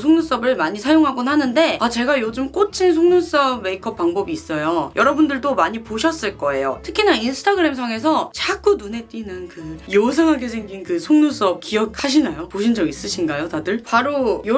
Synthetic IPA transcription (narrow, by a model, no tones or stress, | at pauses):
sʰoŋnus͈ʌbɯɭmaɲisʰajoŋɦaɡonɦanɯnde̞at͡ɕe̞ɡajod͡ʑumk͈ot͡ɕʰins̬ʰoŋnus͈ʌbme̞ikʰʌp̚paŋbʌbiːs͈ʌjojʔʌɾʌbundɯɭdomaɲipoɕʰʌs͈ɯɭk͈ʌe̞jo̰tʰɯ̥kʰinainsʰɯ̥tʰaɡɯɾe̞ms̬ʰaŋe̞sʰʌt͡ɕʰak͈unune̞t͈winɯnkɯjos̬ʰʌŋɦaɡe̞sʰe̞ŋɡinkɯsʰoŋnus͈ʌp̚k͈iʌk̚haɕ̬ʰinajopoɕʰind͡ʑʌɡis͈ɯɕʰinɡajotadɯɭpaɾojo